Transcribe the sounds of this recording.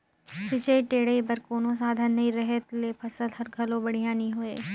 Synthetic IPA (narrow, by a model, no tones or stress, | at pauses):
sɪt͡ʃəiʈeːɽeibɐɾkoːnõs̬aːd̪ʱənːɐĩɾɐɦet̪leːpʰɐsəlɦɐɾɡʱɐlõbɐɽ̤ijãːniɦoeː